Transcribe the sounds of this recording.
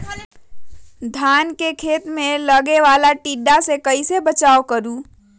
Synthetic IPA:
d̪ʱaːnkekʰeːt̪mẽləɡeʋaːlaʈiːɖasekəisebət͡ʃaːokəɾuː

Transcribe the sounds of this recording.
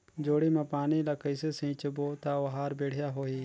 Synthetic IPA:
d͡ʒoːɽiːmãːpaːniːlaːkəiseːsĩːt͡ʃəboːt̪aːʋɐɦaːɾbeːɽ̤ɪjaːɦoːiː

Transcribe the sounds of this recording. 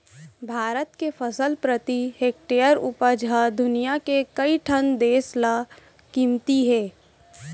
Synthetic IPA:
bʱaːɾət̪kefʰəsəlpɾət̪iɦeːk̚ʈeːəɾʊpəd͡ʒʱad̪ʊnijakekəiʈʰənd̪eːsla | kĩːmt̪iɦɛː

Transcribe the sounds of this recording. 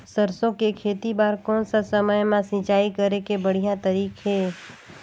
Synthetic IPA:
səɾsõkekʰeːt̪ibaːɾkɔːnsasəməjmãsɪ̃t͡ʃaːikəɾekebəɽ̤ijãt̪əɾiːkɦeː

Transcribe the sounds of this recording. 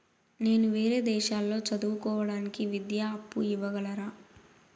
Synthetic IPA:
ne̞ːnuʋe̞ːɾe̞ːd̪ɛːʃaːlːo̞ːt͡ʃɐd̪uːukɔːʋɐɽaːnikiʋid̪jaːɐpːuiʋːɐɡɐlɐɾaː

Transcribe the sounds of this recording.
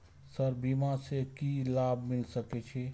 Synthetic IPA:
səɾbiːmasekilaːbʱmɪlsəket͡ʃʰe

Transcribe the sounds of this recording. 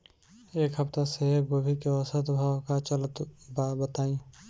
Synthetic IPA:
eːkɦəpt̪aseɦɡoːbʱikewəsət̪bʱaːwkat͡ʃələt̪baːbət̪aːĩː

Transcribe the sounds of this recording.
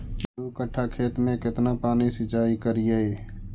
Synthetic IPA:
t͡ʃlukəʈʰːakʰeːt̪mẽkɪt̪napaːnisɪt͡ʃaːikəɾiee

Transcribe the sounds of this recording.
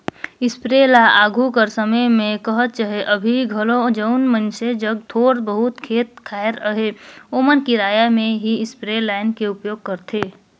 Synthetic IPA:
ɪspɾelaaːɡʱukəɾsəməjmẽkəɦət̪̚t͡ʃaɦeʔəbʱiɡʱəlod͡ʒəʊnmənsed͡ʒəɡ̚t̪ʰoːɾbəɦʊt̪kʰeːt̪̚kʰaːɪɾəɦeomənkiɾaːjamẽɦiɪspɾelaɪnkeʊpjoːɡ̚kəɾt̪ʰe

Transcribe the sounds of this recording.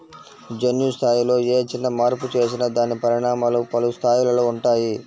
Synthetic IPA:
d͡ʒɐnjust̪ʰaːjilo̞ːeːt͡ʃinːɐmaːɾput͡ʃe̞ːsinɐd̪aːnipɐɾiɳaːmaːlupɐlust̪ʰaːjilɐloːuɳʈaːji

